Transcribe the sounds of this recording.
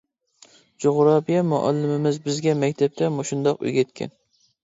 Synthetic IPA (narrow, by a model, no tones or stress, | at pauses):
d͡ʒoʁɾɑpijɛmʊ̰ʔɑ̰lːɪmɪmɪzbɪzɡʲɛmɛkʲt̪ʰɛp̚t̪ʰɛmoʃund̪ɑqy̰jɡʲɛt̪̚kʲʰɛ̰n